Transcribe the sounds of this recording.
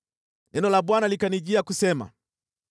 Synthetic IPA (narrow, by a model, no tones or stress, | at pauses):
nɛnɔlaɓwanalikaniʄiakusɛma̰